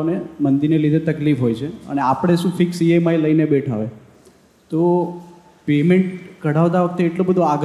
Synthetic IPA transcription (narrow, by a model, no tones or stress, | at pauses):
nemənd̪iɾnelid̪ʱet̪əklifɦojt͡ʃʰeə̰neapəɽ̃eʃũfʰɪksiemailəinebeʈʰa̰ʋe | t̪o | pemeɳʈɡʱəɽaʋəd̪aʋək̚ʰt̪eːʈlobəd̪ʱoaɡ